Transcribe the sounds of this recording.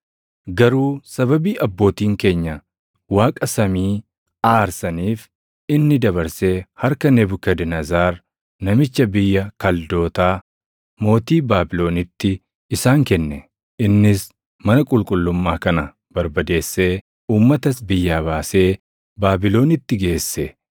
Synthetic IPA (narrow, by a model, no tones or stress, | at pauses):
ɡɐɾuːsɐbɐbiːʔɐbːo̞ːt̪iːŋke̞ːɲːɐ | waːkʼɐsɐmiː | aːɾsɐniːf | ɪnːɪd̪ɐβɐɾse̞ːhɐɾkɐnɛbʊkɐd̪ɪnɐzaːɾ | nɐmɪt͡ʃːɐbɪjːɐkɐld̪o̞ːt̪aː | mo̞ːt̪iːbaːbɪlo̞ːnɪt̪ːɪ | ɪsaːŋkɛnːɛ | ɪnːɪs | mɐnɐkʼʊlkʼʊlːʊmːaːkɐnɐ | b̥ɐɾbɐd̪e̞ːsːe̞ː | uːmːɐt̪ɐsbɪjːaːβaːse̞ː | baːbɪlo̞ːnɪt̪ːɪɡe̞ːsːɛ